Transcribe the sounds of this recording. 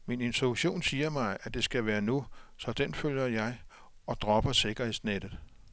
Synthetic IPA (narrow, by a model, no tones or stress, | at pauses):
mine̝nt͡sʰʁuɕo̝̰ːnsiːɐmɑ̈ɪʔæd̥e̝sɡ̥æʋæːɐnusɒ̽d̥enføljɐjɑ̈ɪ | ɒ̽d̥ʁɒb̥ɐse̝ɡ̥ɐhe̝sned̥ð̩ˠ